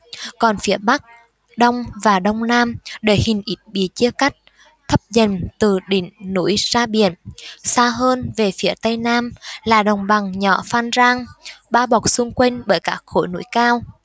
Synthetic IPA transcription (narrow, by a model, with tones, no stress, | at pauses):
kɔ˨˩nfi˨˦əɓa˦˥k̚ | ɗə˧wŋ͡mvaː˨˩ɗə˧wŋ͡mnaː˧mɗe˧˩hï˨˩ŋ̟ʔi˦˥t̚ɓḭ˧˩t͡ɕi˧əka˦˥jk̟̚ | t̪ʰə˦˥p̚zə˨˩nt̪ɨ˨˩ɗḭ̈˧˨ŋ̟nṵ˧˥jzaː˧ɓḭ˧˩˨ənsaː˧ɦəː˧nve˨˩fi˨˦ət̪ə˧jnaː˧mlaː˨˩ɗə˨˩wŋ͡mɓa˨˩ŋɲɔ̰˧˩faː˧nzaː˧ŋɓaː˧ɓa˨˩wk͡p̚sɨ˧ŋkwe˧nɓəː˧˩jkaː˦˥k̚xo̰˧˥˦jnṵ˧˥jkaː˧w